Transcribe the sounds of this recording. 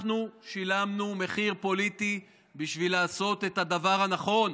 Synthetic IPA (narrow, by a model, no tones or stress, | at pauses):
χnuʃilamnume̞χiʁpo̞lit̪i | biʃvilaːso̞t̪e̞t̪hadavaʁhanaχo̞n